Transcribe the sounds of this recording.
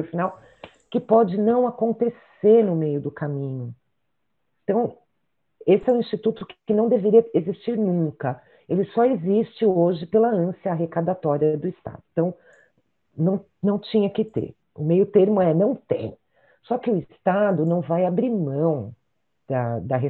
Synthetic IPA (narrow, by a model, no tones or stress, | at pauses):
ɾfinaw | kɪpɔd͡ʒɪnɐ̃w̃akõnt̪es | eɾnʊmejʊd̪ʊkamĩɲʊ | ẽt̪ɐ̃w̃ | esɪɛw̃ĩst͡ʃit̪ut̪ʊkkɪnɐ̃w̃d̪eveɾiɐezist͡ʃiɾnũkɐ | elɪsɔezist͡ʃɪoʒɪpelɐɐ̃siɐaɦekad̪at̪ɔɾiɐd̪ʊɪst̪a̰d̪ʊ̃t̪ɐ̃w̃ | nɐ̃w̃ | nɐ̃w̃t͡ʃĩɲɐkɪt̪ḛɾ | ʊmejʊt̪eɾmʊɛnɐ̃w̃t̪ḛ̃j̃ | sɔkɪʊɪst̪ad̪ʊnɐ̃w̃vajabɾiɾmɐ̃w̃ | d̪̥ɐd̪ɐɦe